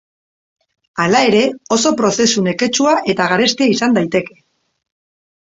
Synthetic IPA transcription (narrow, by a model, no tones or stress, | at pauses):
alae̞ɾe̞o̞so̞pɾo̞se̞sune̞ke̞t͡ʃuaʔe̞t̪aɣaɾe̞st̪iaisand̪ajt̪e̞ke̞̥